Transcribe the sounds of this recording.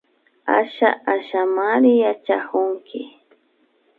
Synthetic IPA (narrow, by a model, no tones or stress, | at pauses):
a̰ʃa̰ʔaʃamaɾɪjat͡ʃahʊŋkɪ